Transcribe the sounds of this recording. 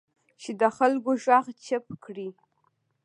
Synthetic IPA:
ʃidaχəlɡʷʊʒʷaʁt͡ʃʰɪpʰkʰri

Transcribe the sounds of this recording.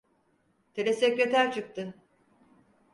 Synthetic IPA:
t̪ʰe̞lʲesecɾe̞t̪ʰæɾt͡ʃʰɯk̚t̪ʰɯ

